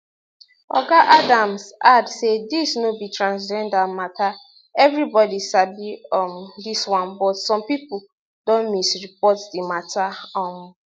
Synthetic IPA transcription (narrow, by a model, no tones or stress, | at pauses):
ɔ̰ɡaʔadãmsadsedisnobitɹãnsd͡ʒɛ̃ndamatʰa | ɛvɹibɔdiʃabiɔmdiswãnbɔtsɔ̃mpipu | dɔ̃nmisɹip̚ɔtdimatʰaɔ̃m